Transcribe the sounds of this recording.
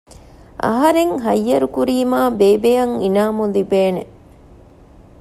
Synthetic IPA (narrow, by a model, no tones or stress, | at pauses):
ʔɐ̰ɦɐɾeŋɦɐjːɐɾukuɾiːmaːbeːbejɐŋinaːmulibeːne